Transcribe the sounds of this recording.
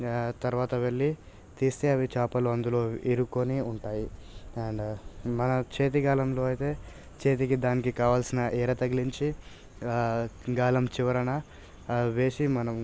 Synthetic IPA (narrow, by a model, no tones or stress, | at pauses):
t̪ɐɾʋaːt̪ɐʋe̞ɭːi | t̪iːst̪e̞ːɐʋit͡ʃaːpɐluɐnd̪ulo̞ːiɾukːoniuɳʈaːjiɐɳɖmɐnɐt͡ʃe̞ːt̪̬iɡaːlɐmlo̞ːɐjt̪e̞ː | t͡ʃe̞ːt̪̬ikid̪aːnikikaːʋaːlsinɐʔɛːɾɐt̪ɐɡiliɲt͡ʃi | ɡaːlɐmt͡ʃiʋɐɾɐnɐ | ʋe̞ːsimɐnɐm